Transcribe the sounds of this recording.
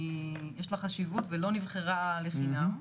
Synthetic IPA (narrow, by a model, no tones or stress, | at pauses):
jeʃlaχaʃivutvelo̞nivχeʁaleχinam